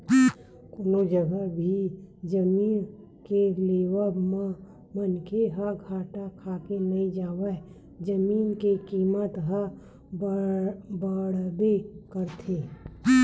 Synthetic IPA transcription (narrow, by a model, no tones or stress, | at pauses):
koːnod͡ʒəɡəbʱid͡ʒəmiːn | keleːwəmə̃ | mənkʰeɦəɡʱaːʈakʰaːkenəĩd͡ʒaːwə | d͡ʒəmiːnkekiːmət̪ɦə | bəɽbekəɾt̪ʰeː